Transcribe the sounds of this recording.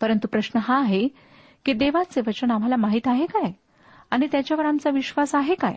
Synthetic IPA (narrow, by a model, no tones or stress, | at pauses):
pəɾənt̪upɾəɕnəɦaːɦe | kiːd̪eʋat͡seʋət͡ɕəɳam̤alamaɦiːt̪aɦekaj | aɽ̃it̪jat͡ɕjaʋəɾamt͡saʋiɕʋasaɦeka̰j